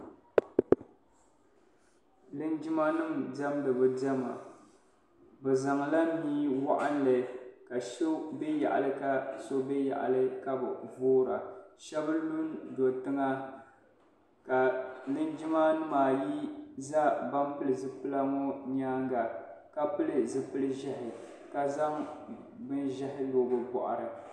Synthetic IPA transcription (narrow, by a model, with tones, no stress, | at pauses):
lɨ˦nd͡ʒi˦ma˦nɨ˦mda˦mdɨ˨bɨ˨da˦ma̰˨ | bɛ˨za˨ŋ˨la˦n˦niː˦wa˦ʔa̰˦n˦lɨ˨ka˨ʃo˦be˦ja̰˨ʔa̰˨lɨ˦ka˦so˦be˦ja̰˨ʔa̰˨lɨ˦ka˦bɨ̰˨voː˦ɾa̰˨ʃɛ˦bɨ˦lu˦ndo˨tɨ˦ŋa˦ | ka˨nɨ˦n˦d͡ʒɪ˦ma˦nɨ˦maː˨ji˦za˦ba˦mpɨ˦lɨ˨zɨ˦pɨ˦la˦ŋo˦ɲaː˦ŋɡa˨ | ka˦pɨ˦lɨ˨zɨ˦pɨ˦lɨ˦ʒɛ˦hɪ˨ | ka˦za˦ŋ | bɨ˦nʒɛ˦hɪ˦loː˨bɨ˨bɔ̰˨ʔa̰˨ɾɨ˨